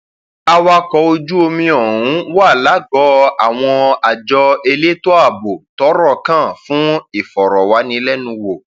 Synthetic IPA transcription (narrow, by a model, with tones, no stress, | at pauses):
a˧wa˧kɔ˧˦o˧d͡ʒu˦o˧mĩ˧ɔ˨ɾũ˨˦wa˦˨la˨˦ɡɔ˨˦a˨w̃ɔ̃˧a˨d͡ʒɔ˧e˧le˦to˦a˦˨bo˨tɔ˨˦ɾɔ˦˨kã˦˨fũ˨˦i˦˨fɔ˨ɾɔ˨wa˨˦nĩ˧lɛ˦nũ˧wo˨